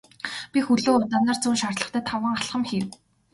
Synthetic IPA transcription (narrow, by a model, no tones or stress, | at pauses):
pʲixɵɮoːt̪anaːr̥t͡suːnʃart̪ɮə̆χt̪ʰæːt̪ʰawə̆ŋχaɮχə̆mxiːw